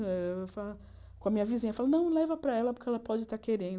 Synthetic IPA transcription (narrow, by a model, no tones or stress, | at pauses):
ɛfal | kõɐmĩɲɐvizĩɲɐfalnɐ̃w̃lɛvɐpɾɐɛlɐpʊɾkʲɪɛlɐpɔd͡ʒɪt̪aɾkeɾẽnd̪